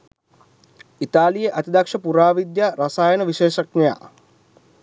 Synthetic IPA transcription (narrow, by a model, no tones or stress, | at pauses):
it̪aːlijeʔat̪id̪akʂəpuɾaːʋid̪jaɾasaːjənəʋiʃeːʃɐkneja̰ː